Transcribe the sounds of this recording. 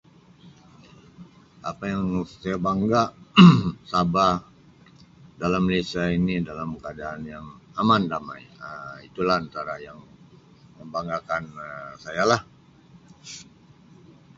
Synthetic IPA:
ʔapajaŋsajabaŋɡaʔ | saba | dalamːlisainidalamkəadaːnjaŋamandama̰jəit̪ulahant̪aɾajaŋ | məmbaŋɡakansajalah

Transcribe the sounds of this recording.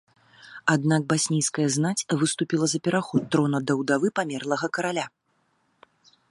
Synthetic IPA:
ad̪nak̚basʲnʲijskɐjɐznat͡sʲvɨst̪upʲilˠɐzɐpʲɛɾaxɔt̪ːɾɔnɐd̪ɐwd̪avɨpamʲɛrlˠɐɣɐkɐɾalʲa

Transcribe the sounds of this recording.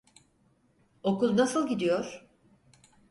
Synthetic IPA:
okuznasɯlˠɟid̪ijo̞ɾ̥

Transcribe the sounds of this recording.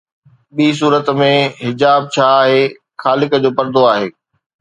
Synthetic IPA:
ɓiːs̬uːɾət̪mẽɦɪd͡ʑaːb̚t͡ɕʰaːɦeː | xaːlɪkd͡ʑoːpɐɾd̪oaːɦeː

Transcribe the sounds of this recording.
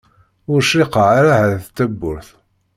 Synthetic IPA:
ʊɾʃiqəʕaɾahæðθt̪ːæbːʊɾθ

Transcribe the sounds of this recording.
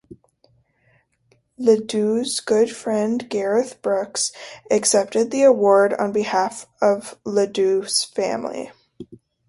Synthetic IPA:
lɨdʉzɡ̥ʊd̥fɹɛ̃nɡɛɹɨθb̥ɹʊksɨksɛp̚tɨd̪̚ðiɨwɔɹɾn̩bɨhæfʌvlɨdʉz̥fæ̰̃mlḭ

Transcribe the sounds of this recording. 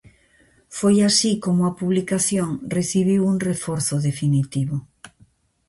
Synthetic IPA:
fojasikomʊapuβlikaθjoŋreθiβ̞iwuŋrefoɾθʊðefinit̪iβo

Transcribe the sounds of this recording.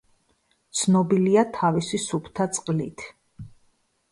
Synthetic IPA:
t̪sʰnɔbiliat̪ʰavisisupʰt̪ʰat̪sʼqʼlit̪ʰ

